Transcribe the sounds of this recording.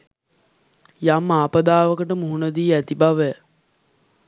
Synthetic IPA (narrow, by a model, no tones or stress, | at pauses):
jamːaːpəd̪aːʋəkəʈəmuɦunəd̪iːæt̪ibaʋæ